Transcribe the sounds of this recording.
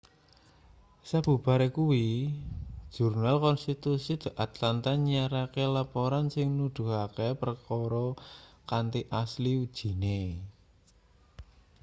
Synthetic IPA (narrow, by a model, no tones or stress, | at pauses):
sab̥ṳb̥a̤ɾekuwi̥ | ʒ̥urnalkɔnst̪it̪usid̪̥a̤ʔat̪lant̪aɲiaɾakelapoɾansɪŋnud̪̥ṳɦakepərkɔɾɔkant̪iʔasliud̥ʒ̥i̤ne